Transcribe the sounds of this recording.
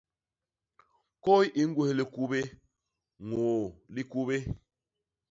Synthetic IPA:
ko˦jʔi˦ŋ̩˦ɡwu˦he˨li˨ku˦be˦ | ŋoː˨li˦ku˦βe˦

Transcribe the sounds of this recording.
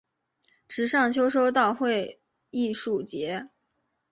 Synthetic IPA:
ʈ͡ʂɻ̩˧˥ʂɑ˥˩ŋt͡ɕʰjo˥ʊʂo˥ʊt̪ɑ˥˧ʊxwe˥˧ɪ | i˥˧ʂu˥˩t͡ɕjɛ˧˥

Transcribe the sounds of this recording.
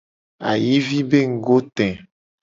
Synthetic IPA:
a̰˨ji˦vi˦be˦ŋ̩˨ɡo˦t̪ɛ̃˨

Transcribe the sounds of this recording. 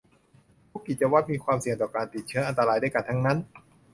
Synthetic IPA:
t̪ʰuː˦˥kːi˨˩t̪̚t͡ɕa˧wa˦˥t̪̚miː˧kʰwaː˧msi˨˩əŋt̪ɔː˨˩kaː˧nt̪i˨˩t̪̚t͡ɕʰɯ˦˥ɐʔa˧nt̪a˧ɾaː˧jda˥˩jka˧˩nt̪ʰa˦˥ŋna˦˥n

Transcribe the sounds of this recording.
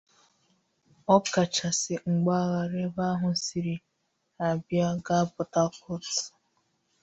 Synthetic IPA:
ɔ˦ka˨t͡ʃa˨si˨ŋ͡m̩˨ɡ͡ba˦ɣa˨ɾe˦ba˦ɦʊ˦si˨ɾi˨ | a˨bja˦ɡa˦pʊ˨ta˦kʊ˦tʊ̥˨

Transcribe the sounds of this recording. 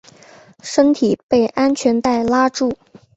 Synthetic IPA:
ʂə˥nt̪ʰi˨˩pe˥˩ɪʔa˥nt͡ɕʰɥɛ˧˥nt̪a˥˩ɪla˥ʈ͡ʂu˥˩

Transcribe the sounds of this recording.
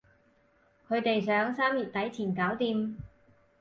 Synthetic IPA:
kʰɵ˨˧ɥt̪e˨jsœː˨˥ŋsaː˥mji˨t̚t̪ɐ˨˥jt͡sʰiː˨˩nkaː˨˥wt̪iː˧m

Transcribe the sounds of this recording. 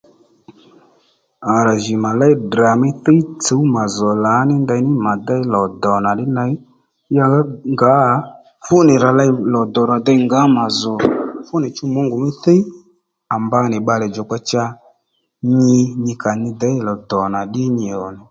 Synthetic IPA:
a˨ɾa˨ʒɪ˨ma˨la˦i˦dra˨mɪ˦θe˦t͡so˨˦u˦ma˨zɔ˨la˨˦nɪ˦nda˧˦nɪ˦ma˨d̪a˦ɪ˦lɔ˨d̪ɔ˨na˨ɗɪ˦na˧˦ | ja˧˦ŋɡa˨˦˨ | fʊ˦nɪ˨ɾa˨la˧˦lɔ˨d̪ɔ˨ɾa˨d̪a˧˦ŋɡa˨˦ma˨zɔ˨fʊ˦nɪ˨t͡ʃʊ˦mo˨˦ŋɡʊ˨mɪ˦θe˦i˦ | a˨mba˧˦nɪ˨ɓa˧lɛ˨d͡ʒɔ˨k͡pa˧t͡ʃa˧ | ɲɪ˧ɲɪ˧ka˨nɪ˧d̪ɛ˨˦lɔ˨d̪ɔ˨na˨ɗɪ˦ɲɪ˨ɔ˨nɪ˨

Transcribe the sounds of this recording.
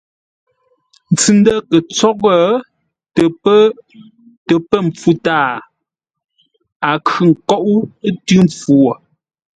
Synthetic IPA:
n̩˨t͡sʉ˨˦ndə˦kə˨t͡sɔ˦ɣə˦˨ | tp | tə˨pə˦m˨p͡fu˦taː˦˨ | a˨kʰʉ˨ŋ̩˨kɔ˦ʔu˦tʉ˦mp͡fu˨

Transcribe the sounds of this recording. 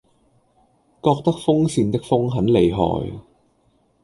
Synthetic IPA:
kɔː˧k̚t̪ɐ˥k̚fʊ˥ŋsiː˧nt̪ɪ˥k̚fʊ˥ŋɦɐ˨˥nle˨˩jɦɔ̰ː˨j

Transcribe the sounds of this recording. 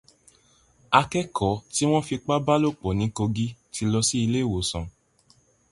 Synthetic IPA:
a˧kɛ˦kʰɔ˨˦ti˦w̃ɔ̃˦fi˧k͡pa˦ba˦lo˦˨k͡pɔ˨nĩ˨˦ko˧ɡi˦ti˧lɔ˧si˦i˧le˦˨wo˨sɔ̃˨

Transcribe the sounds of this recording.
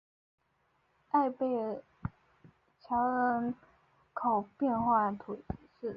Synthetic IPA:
a˥˧ɪpe˥˩ɪ | t͡ɕʰjɑ˧˥ʊə˧˥n | kʰɑ˨˩ʊpjɛ˥˧nxwa˥˩t̪ʰu˨˩t͡ɕʰi˨˧˥ʂɻ̩˥˩

